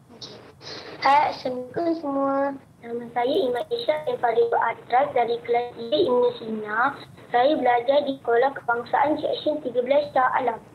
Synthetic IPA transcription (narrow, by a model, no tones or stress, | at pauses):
hasəmikɔnsəmũə | nãmãnsajaimãʔeʃaʔdanpaɾioʔat̪ɾasdaɾikəlasiəimnəsina | sajabəlad͡ʒardikolahkə̥paŋsaʔansɛ̰ʔsənt̪iɡəblast͡ʃaʔa̰lam